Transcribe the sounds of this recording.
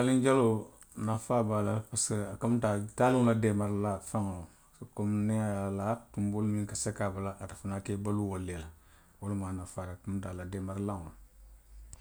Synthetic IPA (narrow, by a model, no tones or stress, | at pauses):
alĩɲd͡ʒalo | nafaːbaːlapaseakamtatalilademaɾlafaŋ | komneajalatumbolumĩŋkasekabalaʔatafinakebaluwolːela | wolumaːnafaːɾakamtalademaɾlãŋl